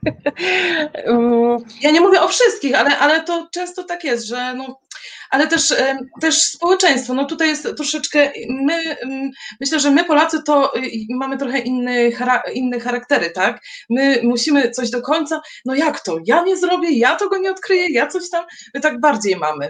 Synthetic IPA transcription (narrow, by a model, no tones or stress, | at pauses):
jaɲɛmuvʲjɛʔɔfʂɘst̪̚kʲixalɛʔalɛt̪ɔt͡ʂɛ̃w̃st̪ɔt̪akjɛst̪ʐɛnɔʔalɛt̪ɛʂt̪ɛʂspɔwɛt͡ʂɛj̃st̪fɔnɔt̪ut̪ajɛst̪ːɾɔʂɛt͡ʂkɛʔmɘ | mɘɕlɛʐɛmɘpɔlat̪sɘt̪ɔmamɘt̪ɾɔxɛʔinːɛxaɾainːɛxaɾakt̪ɛɾɘt̪akmɘmuɕimɘt̪sɔʑd̪ɔkɔɲt̪sa | nɔjakt̪ɔjaɲɛzɾɔbʲjɛjat̪ɔɡɔɲɛɔt̪kɾɘjɛjat̪sɔɕt̪ammɘt̪aɡ̚baɾd͡ʑejma̰mɘ